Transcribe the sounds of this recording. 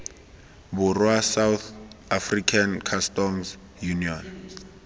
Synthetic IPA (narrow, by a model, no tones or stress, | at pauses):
buruasawθafrikʰankʰastɔms | juniɔn